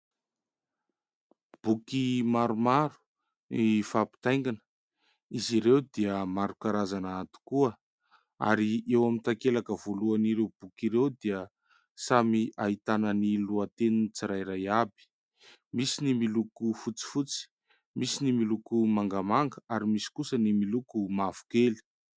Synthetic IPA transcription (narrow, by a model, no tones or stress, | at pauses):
b̥ukimaɾumaɾu̥ | nifapi̥t̪ajŋɡanə̥ | iziɾewd̪iəmaɾukaɾazanaat̪u̥kuə | a̰ɾiʔewamint̪akelakəv̥oluaniɾewb̥ukiɾewd̪iə | samiʔaɦit̪anəniluat̪eninit͡siɾajɾajabi̥ | misinimilukufut͡si̥fut͡si̥ | misinimilukumaŋɡamaŋɡəaɾimisi̥kusənimilukumavu̥keli̥